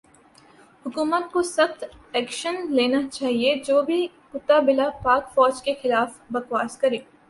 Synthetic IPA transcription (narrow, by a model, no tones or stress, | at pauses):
hʊkuːmət̪̚kosɐxt̪ɛːkʃənleːnat͡ʃaːɦied͡ʒoːbʱi | kʊt̪ːabɪlapaːkfɔːd͡ʒkexɪlaːfbɐxwaːskɐɾẽː